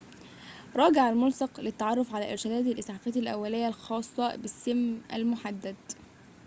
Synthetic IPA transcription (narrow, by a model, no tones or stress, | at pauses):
ɾˤɑːɡɪʕalmʊlsɑqlɪt̪ːaʕɑrˤːofʕalæːʔɪɾʃɪd̪æːd̪ɪlʔɪsaħfæːt̪ælʔæ̰wːælɪjːælxɑːsˤːɑbɪsːɪmːʔæ̰lmʊħad̪ːæd̪